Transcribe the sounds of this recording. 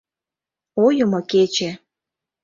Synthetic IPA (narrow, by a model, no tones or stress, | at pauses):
ojɤ̆moket͡ɕe